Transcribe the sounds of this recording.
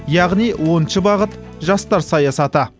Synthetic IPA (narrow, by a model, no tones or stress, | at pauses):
jɑʁnijwo̞nʃəbɑʁət̪ | ʒɑst̪ɑɾsɑjɑsɑt̪ə